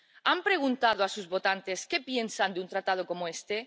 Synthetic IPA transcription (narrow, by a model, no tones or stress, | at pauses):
ampɾe̞ɣ̞unt̪aðoasuzβo̞t̪ant̪eske̞pje̞nsand̪eunt̪ɾat̪að̞o̞ko̞moe̞st̪e̞